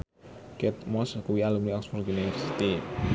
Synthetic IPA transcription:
kɛt̪̚mɔskuwialumniɔksmɔrɡinest̪i

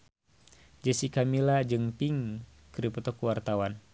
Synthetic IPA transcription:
d͡ʒəsikamilad͡ʒɨŋpiŋ | kɾipət̪ɔkuwart̪awan

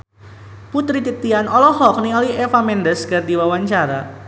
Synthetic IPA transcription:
put̪ɾit̪it̪ianɔlɔhɔk̚niɔliɛfamɛndəsɡardiwawaɲt͡ʃaɾa

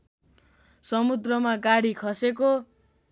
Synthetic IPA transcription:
sʌmud̪rʌmaɡaɽikʰʌseko

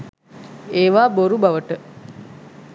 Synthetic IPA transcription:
eːʋaːboɾubaʋəʈə

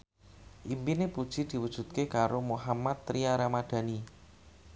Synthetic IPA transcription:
ʔimpinepud̥ʒ̥i̤d̪̥i̤wəd̥ʒ̥ṳt̪̚kekaɾomoɦamat̪ːɾiaɾamaɖ̪̥a̤ni

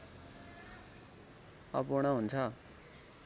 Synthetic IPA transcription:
ʌ̰puɽ̃ʌɦunt͡sʰʌ

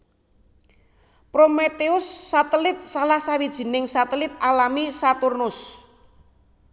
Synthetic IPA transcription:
pɾomet̪eʊsːat̪əlɪt̪̚salahsawid̥ʒ̥i̤nɪŋsat̪əlɪt̪̚alamisat̪ʊrnʊs

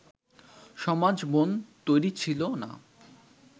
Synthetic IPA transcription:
ʃɔmad͡ʑmont̪ojɾit͡ɕʰilona̰

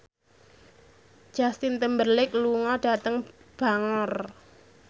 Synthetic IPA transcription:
d̥ʒ̥a̤st̪ɪnt̪əmbərlɪk̚luŋɔɖ̥a̤t̪əŋb̥a̤ŋɔr

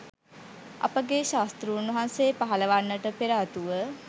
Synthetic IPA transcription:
ɐ̰pəɡeʃaːst̪ɾuunʋəɦansepaɦɐləʋanːəʈəpeɾaːt̪uʋə

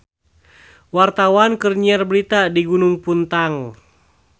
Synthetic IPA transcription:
wart̪awankərɲiarbəɾit̪adiɡunuŋpunt̪aŋ

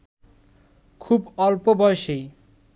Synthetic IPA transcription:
kʰubɔlpobɔjʃej

